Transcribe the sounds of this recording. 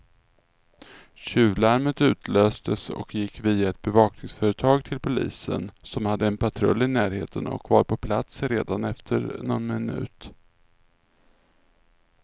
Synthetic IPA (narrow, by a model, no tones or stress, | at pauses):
ɕʉ̟ːlaɾmət̪ʉ̟ːt̪ʰløːst̪ʰəsɔ̰kjɪkːviːaɛt̪̚bɛvɑːknɪŋsfœːɾət̪ʰɑːɡt̪ʰɪlpʰʊlḭːsə̰nsɔmhad̪ːəɛnpʰat̪ʰɾɵ̰lːɪnæːɾheːt̪ənɔ̰kvaɾpʰɔpʰlat̪sɾeːd̪anɛft̪ʰə̰ɾnɔnmɪnʉ̟̰ːt̪